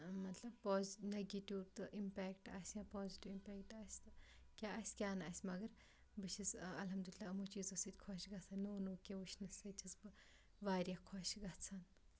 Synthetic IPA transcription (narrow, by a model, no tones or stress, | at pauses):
mɐt̪lɐbpoːzneɡiʈit̪ɨʔimpɛːkʈa̰ːsʲjãːpɔːziʈiʋimpɛːkʈaːsʲt̪ɨ | kʲaːasʲkʲaːnaːsʲmɐɡɐɾ | bɨʃʰisɐlɦɐmd̪ulilːaːmut͡ʃiːzosɨt̪ʲkʰoʃɡɐt͡sʰannoːnoːkʲeʋuʃʰnɐsɐt͡ʃizbɨ | ʋaːɾʲjakʰɔʃɡɐt͡sʰan